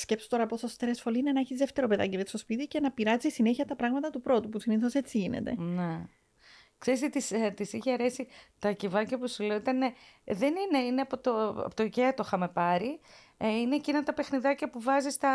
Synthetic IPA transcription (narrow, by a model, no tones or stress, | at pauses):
sce̞pso̥t̪o̞ɾɐposost̪ɾesfo̞liine̞nɐeçizðe̞ft̪e̞ɾo̞pe̞ðɐ̰cimet̪sto̞spit̪ice̞nɐpiɾɐzisine̞çiɐt̪ɐpɾɐɣmɐt̪ɐt̪upɾo̞t̪upusiniθo̞se̞t͡siʝinḛt̪e̞̰ne | kseɾisit̪ist̪isiçeɐɾe̞sit̪ɐcivɐcɐpusuleoit̪ɐneðenine̞ineɐpot̪oɐ̰pot̪oceɐt̪o̞xɐme̞pɐɾi | ineːcinɐt̪ɐpe̞xniðɐcɐpuvɐzist̪ɐ